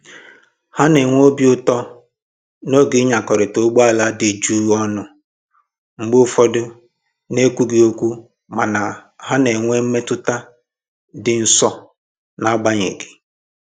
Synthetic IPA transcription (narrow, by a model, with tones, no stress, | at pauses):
ha˦ne˨ŋʷ˦o˦bjʊ˦tɔ˦ | no˦ɡɪ˨˦ɲa˨kɔ˨ɾɪ˨to˨˦ɡ͡bu˦a˦la˦de˨d͡ʒu˦ɔ˦nʊ˨ | ŋ͡m̩˦ɡ͡bʊ˦fɔ˦dʊ˦ | ne˦kʷu˦ɡi˨o˦kʷu˦ | ma˨na˨ha˦ne˨ŋʷe˦me˦tʊ˦ta˦ | dɪ˨n̩˦sɔ˦ | na˨˦ɡ͡ba˦ɲḛ˨ɡɪ̥˨